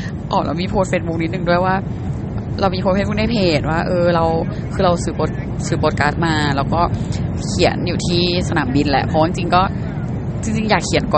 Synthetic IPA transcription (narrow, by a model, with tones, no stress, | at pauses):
ʔɔː˨˩la̰˧˩wmiː˧pʰoː˥t̪̚feː˦˥t̪̚bu˧˦˥ni˦˥t̪̚nɯ˨˩ŋdu˥˩əjwaː˥˩ | ɾa˧wmi˧pʰo˧˥e˧˥˩buː˥˩da˥˩jpʰeː˨˩t̪̚waː˥˩ʔɤː˧ɾa˧w | kʰɯː˧ɾa˧wsɯː˨˩poː˧˩t̪̚ | sɯː˨˩po˨˦˩t̚kaː˦˥t̪̚maː˧lɛː˦˥wkɔː˥˩ | kʰi˨˩˦ə˦njuː˨˩t̪ʰiː˥˩sa˧naː˩˦mbi˧nlɛ̰˧˩pʰɔ˦wt͡ɕi˧ŋt͡ɕi˧ŋkɔː˥˩ | t͡ɕi˧ŋt͡ɕi˧ŋjaː˨˩kʰːi˨˩˦nkɔː˨˩